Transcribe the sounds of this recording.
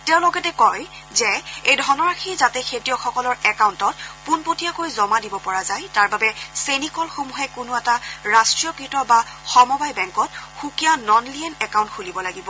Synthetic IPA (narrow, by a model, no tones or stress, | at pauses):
teʊ̃lɔɡɛtɛkɔj | zɛejdʱɔnɔɹaxʰizatɛkʰetiɔxɔkɔlɔɹɛkawntɔtpunpotijakojzɔmadibɔpɔɹazajtaɹbabɛsenikɔlxomuɦɛkʊnʊɛtaɹastɹijɔkɹitɔbaxɔmɔbajbɛŋkɔt̚xukijanɔnliɛnɛkawntxulibɔlaɡibɔ